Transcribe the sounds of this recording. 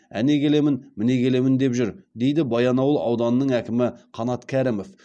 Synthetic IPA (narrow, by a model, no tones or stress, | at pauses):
æ̰ne̞kʲʰe̞le̞mɪnmɪne̞kʰʲe̞le̞mɪnd̪e̞pʒʏɾd̪e̞jd̪ɪbɑjɑnɑwəlˠɑ̰wd̪ɑnənəɴækʲɪmɪqʰɑnɑt̪kʲʰæɾɪmof